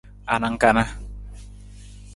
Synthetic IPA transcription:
anaŋkana

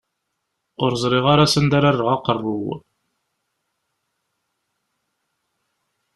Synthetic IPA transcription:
ʊɾzˤɾiʁaɾasənd̪aɾarːoʁɑqərˤːʊw

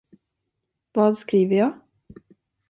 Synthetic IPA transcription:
vɑːd̪skɾiːvəjɑː

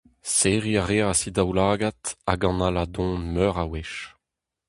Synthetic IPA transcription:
seːʁiaʁeːaasid̪awlaːɡat̪a̰ɡɑ̃nalad̪ɔ̃nmœːʁaweʃ

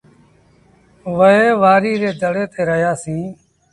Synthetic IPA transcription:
ʋəɦeːʋaːɾiːɾeːd̪əɽeːt̪eːɾəɦjaːsĩː

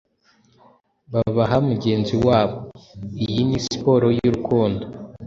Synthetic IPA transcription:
βaβaɦamuɟe̞ːnziwaːβo̞ijinisi̥po̞ɾo̞juɾukuːndo

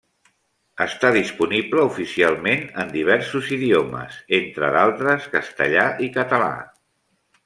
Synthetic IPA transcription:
əst̪aðispunibləufisialˠmenənd̪iβ̞ɛɾsuziðiomə̰zent̪ɾə̰ðalˠt̪ɾəskəst̪ə̰ʎaʔikət̪əla̰

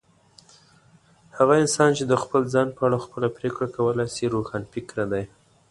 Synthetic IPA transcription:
haɣaɪnsɑnt͡ʃed̪əxpəlzɑnpəaɽaxpəlapɾekɽakawəlajsiɾoxɑnfɪkɾad̪aj

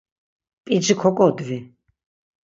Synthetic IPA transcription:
pʼid͡ʒikʰɔkʼɔd̪vi

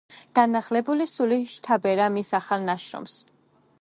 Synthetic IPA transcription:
ɡ̥anaχlɛbulisuliʃt̪ʰabɛɾamisaχalˠnaʃɾɔ̰ms

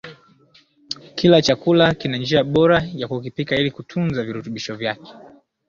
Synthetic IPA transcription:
kʰilat͡ʃakulakinand͡ʒiaɓɔɾajakukipikailikutʰunzaviɾutuɓiʃɔvjakɛ̥

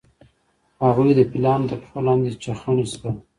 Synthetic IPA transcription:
haɣujd̪əpɪlɑnd̪əpi̥xolɑnd̪et͡ʃaxaɳist̪ə

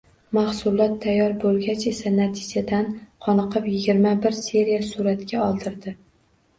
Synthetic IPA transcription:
mahsʊlˠɒt̪ʰːajːɒɾbolˠɡʲat͡ʃe̞sanat̪ʰɪd͡ʒad̪anqʰɒnɨqʰɨpjɪɡʲɪɾmabɪɾse̞ɾijasuɾat̪ɡʲaɒlˠd̪ʰɪɾd̪ɪ

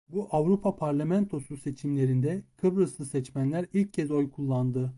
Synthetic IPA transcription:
buʔavɾupʰapʰaɾlʲamɛnt̪ʰo̞suse̞t͡ʃʰimlʲe̞ɾind̪ɛkʰɯbɾɯslˠɯsɛt͡ʃmænlʲæɾilʲc̚cʰːɛzo̞jkʰulˠːand̪ɯ

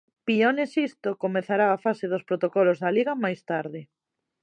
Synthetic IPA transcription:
pionesist̪okomeθaɾaafaseðospɾot̪okɔlozðɐliɣɐmajst̪aɾðɪ

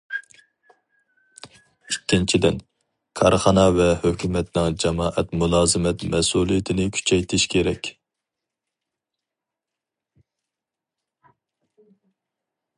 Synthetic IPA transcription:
ikʲːint͡ʃʰid̪ɪn | kʰɑɾχɑnɑvɛhøkʲʰymɛt̪nɪŋd͡ʒɑmɑːʔɛt̪mulˠɑːzɪmɛt̪mɛsulˠijit̪ʰɪnɪkʲʰy̥t͡ʃʰɛjt̪ʰɪʃkʲʰeɾɛkʲ

